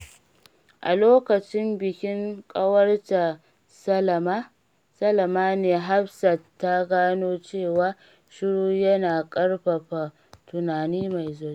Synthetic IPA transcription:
ʔa̰˨loː˦kɐ˨t͡ʃɪ˦mbɪ˨kʲɪ˦ŋkʼɐ˦wɐ˦rta˨ | sɐ˦˨˦ | sɐ˦lɐ˨maː˦neː˨ɦa˦ɸsɐ˨tːa˦ɡaː˦noː˦t͡ʃeː˦˨waː˦ | ʃɪ˦ɽuː˦jɐ˦naː˨kʼɐ˦ɽɸɐ˨ɸa˨ | tʊ˨naː˨niː˦ma˨jzoː˦˨˦

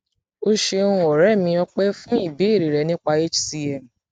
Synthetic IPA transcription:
o˧ʃe˧ũ˦ɔ˨ɾɛ˦˨mĩ˧ɔ˧k͡pe˦fũ˦i˦˨be˨˦i˦˨ɾi˨ɾɛ˨nĩ˦k͡pa˧e˦t͡ʃsi˧ɛ˨m˨

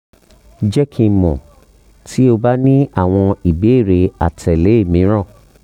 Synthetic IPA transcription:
d͡ʒɛ˦kʰĩ˧mɔ̰̃˨ | tʰi˦o˧ba˦nĩ˦a˦˨w̃ɔ̃˧i˨be˨˦e˦˨ɾe˧a˨tʰɛ˨le˨˦e˦˨mĩ˨˦ɾ̃ɔ̃˦˨

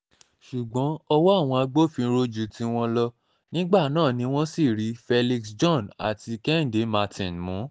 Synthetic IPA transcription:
ʃu˨ɡ͡bɔ̃˨˦ɔ˧wɔ˦a˦˨w̃ɔ̃˧a˧ɡ͡bo˦˨fĩ˧˦˧ɾo˦d͡ʒu˨tĩ˨˧w̃ɔ̃˧lɔ˧ | nĩ˦ɡ͡ba˦˨nãː˦˨nĩ˧w̃ɔ̃˦si˦˨ɾi˨˦fɛ˧li˧ksd͡ʒɔ̃˦˨na̰˨ti˧kɛ˦n̩˨de˨˦ma˧tḭ̃˨nmũ˨˦

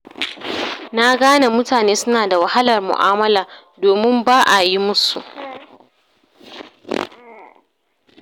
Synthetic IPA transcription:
na˦ɡaː˦na˨mʊ˦taː˨neː˦sʊ˦naː˨da˨wɐ˨ha˦lɐ˨rmʊ̰˨ʔaː˦mɐ˦laː˨ | doː˨mɪ˦mbaː˦ʔa˨ji˦mʊ˦su˨ʔ

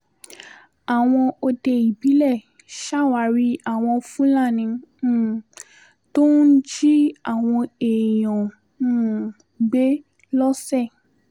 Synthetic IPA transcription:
a˨w̃ɔ̃˧o˧de˧i˨bi˨˦lɛ˦˨ | ʃa˦˨wa˨˦ɾi˦a˦˨w̃ɔ̃˧fũ˦la˦˨nĩ˧˦˨ | to˦n̩˦d͡ʒi˦a˦˨w̃ɔ̃˧e˨j̃ɔ̃˨ | ɡ͡be˦ | lɔ˦sɛ˦˨

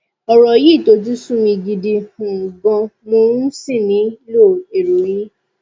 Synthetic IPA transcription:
ɔ˨˧ɾɔ˨ji˦˨to˧˦t̬i˦sũ˦mĩ˧ɡi˧di˧hũ˨ɡɔ̃˧mo˧˦ɾũ˦si˦˨mĩ˨˦lo˦˨e˨ɾu˨ɾi˦

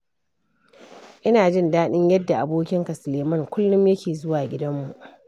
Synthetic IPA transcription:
ʔɪ˦naː˨d͡ʒɪ˦˨ndaː˦ɗɪ˦ɲjɐ˦dːa˨ʔa˨boː˦kʲɪ˦ŋka˨sʊ˨leː˨mɐ˦˨ŋkʷʊ˦lːʊ˦mjɐ˦kʲeː˨zʊ˦waː˨ɡʲɪ˦dɐ˦mːu˨ʔ

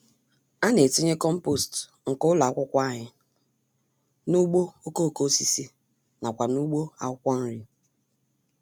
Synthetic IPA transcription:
a˦ne˨ti˦ɲe˦kɔ˦m̩˦po˦˨st | ŋ̩˨kʊ˦la˨a˦kʷʊ˦kʷa˦˨ɲɪ˦ | nu˦ɡ͡bo˦o˦ko˦˨ko˦si˦si˦ | na˨kʷa˨nu˦ɡ͡bo˦a̰˨ʊ˦kʷɔ˦n̩˦ɾi˦

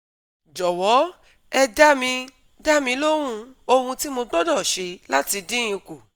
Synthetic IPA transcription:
d͡ʒɔ˨wɔ˨˦ | ɛ˧da˦mĩ˧ | da˦mĩ˧˦lo˦ɾ̃ũ˦˧o˧hũ˧ti˦mo˧ɡ͡bɔ˦dɔ˦˨ʃe˧la˦ti˧dĩ˦j̃ĩ˧ko˨

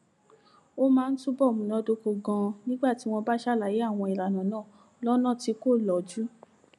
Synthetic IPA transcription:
o˦mãː˦˧n̩˦tũ˦bɔ˦˨mũ˨nɔ̃˧˦do˧ko˧ɡã˧nĩ˦ɡ͡ba˦˨ti˨˦w̃ɔ̃˧ba˦ʃa˦˨la˨je˨˦a˦˨w̃ɔ̃˧i˨ɾa˨nã˨nãː˦˨ | lɔ˦nã˦˨ti˧˦ko˦˨lɔ˨d͡ʒu˨˦

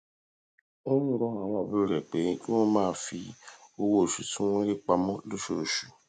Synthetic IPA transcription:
o˦ũ˦ɾɔ̃˧˦a˨w̃ɔ̃˧˨bi˦o˦˨ɾɛ˨k͡pẽ˨˦ɔ̃˦mãː˦˧˦fi˧o˧wo˧˦˨ʃu˨tũ˦w̃ɔ̃˦ɾe˦k͡pa˧mɔ̃˦lo˦ʃo˦˨ʃu̥˨

